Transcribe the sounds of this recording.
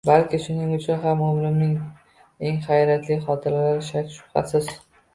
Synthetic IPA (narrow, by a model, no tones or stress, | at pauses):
balkʲɪʃʊnɪŋʊt͡ʃʰʊnɦamʊmlɪmnɪŋ | e̞ŋχajɾat̪ʰlɪχɒt̪ʰɪɾalaɾɪʃat̪ʃʊ̥χa̰sɪz